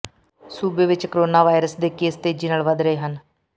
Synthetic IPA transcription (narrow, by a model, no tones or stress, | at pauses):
suːbeːʋɪt͡ʃkoɾoːnaːʋaːɪɾəsd̪eːkeːst̪eːd͡ʒiːnaːlʋəd̪ɾəeːɦən